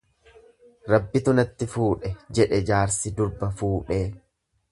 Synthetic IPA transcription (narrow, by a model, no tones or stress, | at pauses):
ɾɐbːɪt̪ʊnɐt̪ːɪfuːᶑɛd͡ʒɛᶑɛd͡ʒaːɾsɪd̪ʊɾbɐfuːᶑeː